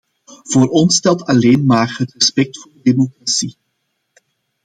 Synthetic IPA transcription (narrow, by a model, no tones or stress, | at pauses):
v̥oːɾɔnstɛlˠtɑleːnmaːrɦətrəspɛk̚tfʊːrdədeːmokrasi